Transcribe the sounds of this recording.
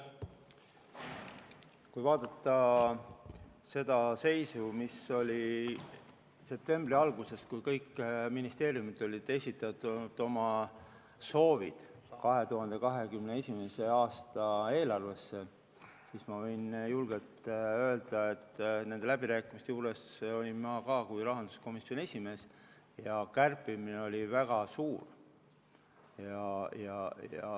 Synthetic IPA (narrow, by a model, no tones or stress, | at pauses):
kujvɑːd̪̥ɑt̪ˑːɑ | se̞d̪̥ɑse̞jsumiso̞lʲi | se̞p̚t̪e̞mbriɑlɡuse̞skujkɤjkːminist̪e̞ːɾiumit̪ːˑo̞lʲid̪̥e̞sʲit̪ːˑɑt̪ːˑud̪̥o̞mɑ | so̞ːvḭd̪̥ | kɑɦe̞t̪uɦɑnd̪̥e̞kɑɦe̞kymne̞e̞sʲimese̞ɑːst̪ɑe̞ːlɑrve̞sːe | sismɑvɤjnjulɡ̥elt̪ø̞e̞ld̪̥ɑe̞t̪ːne̞nd̪e̞læb̥iɾæːkːˑimist̪euːɾe̞so̞lʲimmɑkɑːkujɾɑɦɑnd̪̥u̥sko̞miso̞ne̞sʲime̞ːs | jɑkærpːˑimineo̞lʲivæɡ̥ɑsuːr | jɑjɑjɑ̰